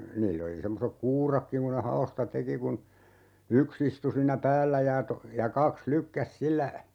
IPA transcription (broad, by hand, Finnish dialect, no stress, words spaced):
niːlː oli semːosek kuːrɑkːiŋ ku ne hɑostɑ teki kun yks istu siːnːæ pæːlːæ jɑ to jɑ kɑks lykːæs silːæ